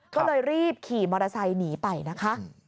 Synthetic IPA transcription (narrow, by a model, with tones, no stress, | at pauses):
kɔː˥˩lɤː˧jɾiː˥˩p̚kʰiː˨˩mɔː˧ɾa˧sa˧jniː˩˦pa˧jna˦˥kʰa˦˥ʔ